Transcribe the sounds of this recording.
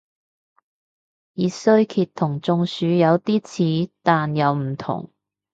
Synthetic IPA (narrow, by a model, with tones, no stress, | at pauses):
jiː˨˧sɵ˥ɥkʰiː˧t̪ʰʊ˨˩ŋt͡sʊ˧ŋsyː˨˧jɐ˨˧wt̪iː˥t͡sʰiː˨˥t̪aː˨njɐ˨˧wm̩˨˩t̪ʰʊ̰˨˩ŋ